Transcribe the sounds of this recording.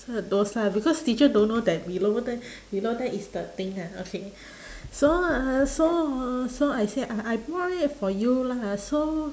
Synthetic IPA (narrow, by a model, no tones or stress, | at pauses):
ədoslabikɔstit͡ʃədõnːodɛt̚wilodɛ | wilodɛtisdət̪ĩŋaokʰe | soasosoajseʔaʔajpɔɹit̚fɔjulaso